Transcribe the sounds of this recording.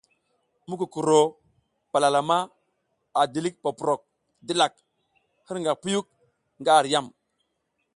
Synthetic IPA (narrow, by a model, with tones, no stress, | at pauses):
mu˦ku˨ku˨ɾo˨ | pa˨la˨la˨ma˦ | a˨di˨li˦k̚pa˨pu˨ɾo˨k̚ | di˦la˨k̚ | hə˦ɾŋɡa˨pu˦ju˦k̚ | ŋɡa˦˨ɾja˦˨m